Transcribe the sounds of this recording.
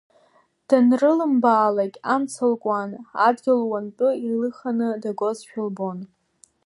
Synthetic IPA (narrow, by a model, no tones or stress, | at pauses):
d̥anrɨlɨmbaːlakʲʼamt͡sʰɨlkʷʼanadɡʲɪlwant͡pʼɨirlɨχanɨdaɡʷozʃᶣʊlbo̞n